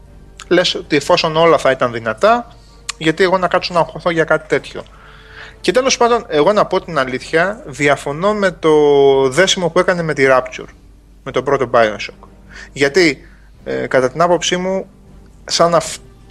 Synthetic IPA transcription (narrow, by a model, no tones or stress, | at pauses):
le̞sot̪ie̞fo̞so̞no̞lɐθɐit̪ɐnðinɐt̪ɐ | ʝɐt̪ie̞ɣo̞nɐkɐt̪sonɐŋxo̞θo̞ʝɐkɐt̪i̥t̪e̞t̪ço̞̰ | ce̞t̪e̞lo̞spɐnd̪o̞ne̞ɣo̞nɐpo̞t̪inɐliθçɐðiɐfo̞no̞me̞t̪o̞ðe̞simo̞pue̞kɐne̞me̞t̪iɾɐpt͡ʃṵɾ | me̞t̪o̞bɾo̞t̪o̞bɐjonsok | ʝɐt̪i | kɐt̪ɐt̪inɐpo̞psimu | sɐnɐf